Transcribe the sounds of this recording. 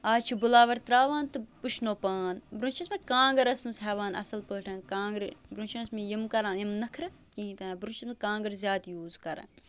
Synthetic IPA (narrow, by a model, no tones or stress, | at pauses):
aːt͡ʃʰibʊlaːʋɐɾt̪ɾaːʋaːnt̪ɨpuʃʰnoːpaːnbɾũnt͡ʃʰɐsmɐkãːŋɡɐɾɐsmɐsɦɛːʋaːnɐ̰sɐlpəːʈʰɐ̃ːnkãːŋɡɾbɾũnt͡ʃʰinɐsmijimkɐɾãːnjimnɐkʰɾɨ | kĩːĩt̪ɐnbɾũnt͡ʃʰɐsmɐkãːŋɡɐɾzʲjaːd̪juːzkɐɾa̰ː